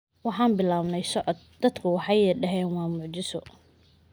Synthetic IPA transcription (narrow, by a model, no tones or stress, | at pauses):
wɑħɑːnbɪlaːβnɛjsɔʕɔd̪̚d̪ɐd̪kʰʊwɑħɑjɛɖɐɦɛːnwɑːmʊʕt͡ʃɪsɔ